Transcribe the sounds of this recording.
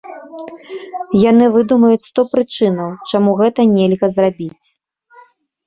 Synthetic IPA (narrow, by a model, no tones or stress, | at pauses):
janɨvɨd̪umɐjut͡sʲst̪ɔpɾɨt͡ʂɨnɐwt͡ʂamuɣɛt̪ɐnʲɛlʲɣɐzrabʲit͡sʲ